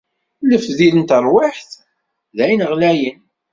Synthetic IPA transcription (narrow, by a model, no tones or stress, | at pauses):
ləfθðilənt̪ərˤwɪħθ | ðæjnʁlæjən